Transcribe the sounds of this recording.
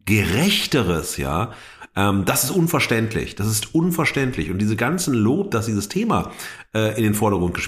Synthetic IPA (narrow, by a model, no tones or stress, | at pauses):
ɡ̥əʁɛçtəʁəsja̰ː | ʔɛmd̥asɪstʔʊnfɛɐʃtɛntʰlɪ̰çd̥asɪstʔʊnfɛɐʃtɛntʰlɪçʊntd̥iːzəɡant͡sn̩loːp̚d̥asd̥iːzəstʰeːma̰ʔɛːʔɪndeːnfɔɐɾɐɡʁʊntɡ̥əʃ